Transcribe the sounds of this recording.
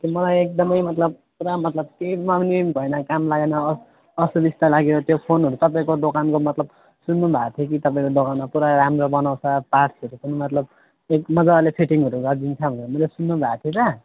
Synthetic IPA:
kimʌlajek̚d̪ʌmʌjmʌt̪lʌb̚puɾamʌt̪lʌb̚kejmamnibʱʌjnʌkamlaɡenʌ | ʌsubist̪alaɡeɾʌt̪jopʰonɦʌɾut̪ʌpaĩkod̪okankomʌt̪lʌb | sunːubʱat̪ʰjek̬it̪ʌpaĩkod̪okanmapuɾaɾamrobʌnaw̃sʰʌpasʌɾukunimʌt̪lʌb | ekmʌd͡zalepʰeʈiŋɦʌɾuɡʌrd̪int͡sʰʌbʱʌnemʌjlesunːubʱat̪ʰjetʌ

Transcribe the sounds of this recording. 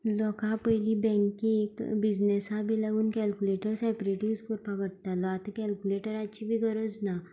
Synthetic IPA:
lɔkãpəjlibɛ̃ŋkĩekbid͡znesabʱilaɡuːnkɛlkuleʈəɾsɛpɾiʈiʋskoɾpaʋəɽ̚t̪alɔat̪əkɛlkuleʈəɾat͡ɕibʱiːɡəɾəd͡zna

